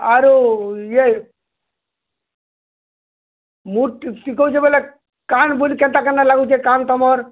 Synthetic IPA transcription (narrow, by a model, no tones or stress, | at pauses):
aɾoje | muʈsikowt͡ɕʰebɔle | kanbolikɛnʈ̪akanːalaɡut͡ʃʰekant̪ɔmɔɾ